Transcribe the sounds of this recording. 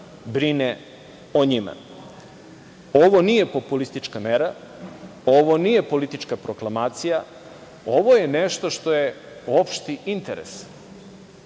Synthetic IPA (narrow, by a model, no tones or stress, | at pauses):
bɾine | oɲima̰ | o̞ʋo̞niːje̞po̞pulist̪it͡ʃkameɾa | oʋo̞nije̞po̞lit̪it͡ʃkapɾo̞klamaːt̪sija | o̞ʋo̞jeneʃt̪o̞ʃt̪o̞je | opʃt̪iʔint̪eɾḛs